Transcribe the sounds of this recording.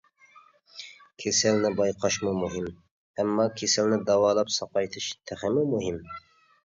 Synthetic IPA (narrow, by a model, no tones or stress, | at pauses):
kʲʰesɛlnɪbɑjqʰɑʃmumuɦim | æmːɑːkʲʰesɛlnɪd̪ɑwɑːlˠɑpsɑqɑjt̪ʰɪʃt̪ʰɛχɪmumʊɦim